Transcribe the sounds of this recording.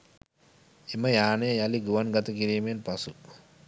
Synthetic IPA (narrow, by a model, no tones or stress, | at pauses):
eməjaːnejəjaliɡuʋanɡat̪əkiɾiːmejenpasu